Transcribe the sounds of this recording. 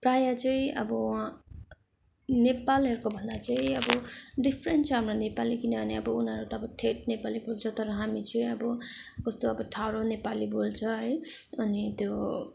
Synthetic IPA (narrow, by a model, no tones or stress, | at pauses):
prajat͡sʌĩʔʌbʌ | nepalɦʌɾkobʱʌnd̪at͡sʌĩʌbʌɖipʰɾenʈt͡sʰʌɦamɾonepalikinʌbʱʌneʌbʌunɦʌɾut̪ʌːbʌʈʰeʈ̚nepalibolt͡sʰʌt̪ʌɾʌɦamit͡sʌĩʌbʌkʌst̪oʌbʌʈʰawɾonepalibolt͡sʰʌɦʌjʌnit̪jo